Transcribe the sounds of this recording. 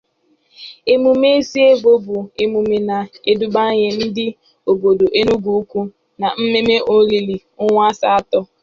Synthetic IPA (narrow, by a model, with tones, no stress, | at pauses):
e˦mu˨me˦si˦e˦ɡo˦bʊ˨e˦mu˨me˨na˨e˦du˦ba˦ɲe˦n̩˦dɪ˦ | o˨bo˨do˨ʔe˦nu˦ɡu˨u˦kʷu˦ | na˨m̩˦me˦me˦ʔo˦li˨li˨ | ʊ˦ŋʷa˦sa˦a˦tɔ˦